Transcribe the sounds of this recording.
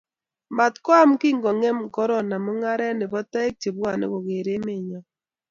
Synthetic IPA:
ma˨tkwa˦m˦ki˦ŋɡɔ˨ŋɛ˦m˨kɔ˦ɾɔ˨na˨mo˦ŋa˦ɾɛ˦nɪ˨βɔ˦ta˦e˦k̚t͡ʃe˨bwa˨nḛ˦ɣo˨ɣe˨ɾe˦me˦˨ɲɔ˨

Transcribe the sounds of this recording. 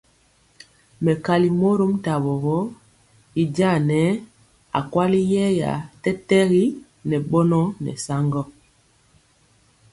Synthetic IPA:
mɛ˨ka˨li˨mo˦ɾo˦m˦ta˨βɔ˨ɣɔ˦ | i˦d͡ʒa˦˨nɛ˨˦ | a̰˨kwa˦li˦jɛ˦ja̰˨tɛ˦tɛ˦ɣi˦ | nɛ˨ɓɔ˦nɔ˦nɛ̰˨sa˦ŋɡɔ˦

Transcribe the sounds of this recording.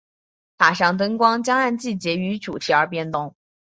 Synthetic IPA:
t̪ʰa˨˩ʂɑ˥˩ŋt̪̬ə˥nkwɑ˥ŋt͡ɕjɑ˥ŋa˥˧nt͡ɕi˥˩t͡ɕjɛ˧˥y˧˥ʈ͡ʂu˨˩t̪ʰi˧˥ə˞˧˥pjɛ˥nt̪ʊ˥˩ŋ

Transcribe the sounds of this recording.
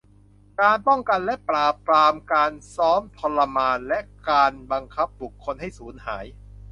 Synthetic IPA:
kaː˧npɔ˥˩ŋka˧nlɛ˦˥pɾaː˨˩p̚ɾaː˧mkaː˧nsɔː˦˥mt̪ʰɔ˧lːa˧maː˧nlɛ˦˥ʔkaː˧nba˧ŋkʰa˦˥p̚bu˨˩kʰːo˧nɦa˥˩jsuː˩˦nha̰ː˩˦j

